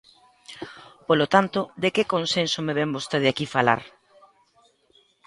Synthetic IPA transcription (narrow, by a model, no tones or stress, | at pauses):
polot̪ant̪od̪ekekonsensomeβɛmbost̪eðakifala̰ɾ